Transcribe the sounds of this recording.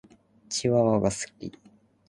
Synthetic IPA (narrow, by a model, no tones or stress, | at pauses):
t͡ɕiβaβaɡasɨ̥kʲḭ